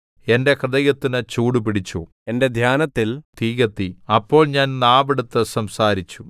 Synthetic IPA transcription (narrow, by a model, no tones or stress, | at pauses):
e̞nde̞krɨðɐɣɐt̪ːinɨt͡ɕuːɽupiɽit͡ɕːoː | e̞nde̞d̪ʱjaːnɐt̪ːilt̪iːɣɐt̪ːiɐpːo̞ːɭɲaːnnaːbɐɽut̪ːɨsɐmsaːɾit͡ɕːu